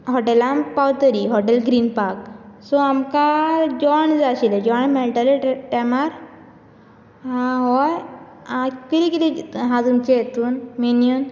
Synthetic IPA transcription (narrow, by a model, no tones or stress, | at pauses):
ɦɔʈelampawt̪əɾiɦɔʈelɡɾinpaɾksɔamkad͡ʒɔɳd͡zaɕiled͡ʒɔɳmɛlʈəlʈemaɾ | ãɦɔj | ãkiɾikiliɦãd͡zunket̪uːnminjun